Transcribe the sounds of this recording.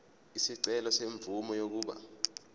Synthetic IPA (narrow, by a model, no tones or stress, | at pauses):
isiǀɛlɔseɱb̪vumɔjok̬uːɓa̰